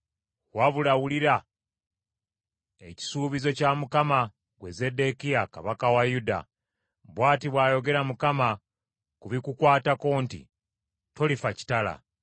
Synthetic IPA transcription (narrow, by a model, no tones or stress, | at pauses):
waβulawuliɾa | eci̥suːβizo̞camukama | ɡwe̞ze̞de̞kijaka̰βakawajuda̰ | bwaːtiβwaːjo̞ɡe̞ɾamukama | kuβikukwaːtako̞ːntḭ | to̞lifaci̥tala̰